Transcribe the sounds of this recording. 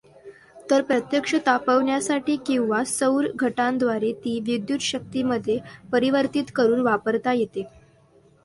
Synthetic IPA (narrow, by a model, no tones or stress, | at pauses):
t̪əɾpɾət̪jəkʂət̪apəʋɳjasaʈiːkĩw̃ʋasəwɾɡʱəʈãnd̪ʋaɾet̪iːʋid̪jut̪ɕək̚t̪iməd̪ʱːjepəɾiʋəɾt̪it̪kəɾuːnʋapəɾt̪ajet̪e